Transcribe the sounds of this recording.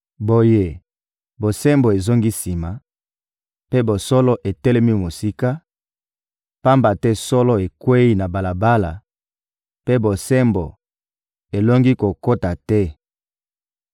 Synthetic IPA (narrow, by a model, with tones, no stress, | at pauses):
bo˨je˦ | bo˨se˦mbo˨e˨zo˦ŋɡi˦si˨ma˨ | pe˦bo˨sɔ˦lɔ˦ʔe˨tɛ˦lɛ˦mi˦mo˨si˦ka˦ | pa˦mba˨tɛ˦sɔ˦lɔ˦e˨kwe˦i˦na˨ba˨la˨ba˦la˨ | pe˦bo˨se˦mbo̰˨ | e˨lo˦ŋɡi˦ko˨ko˦ta˨tɛ˦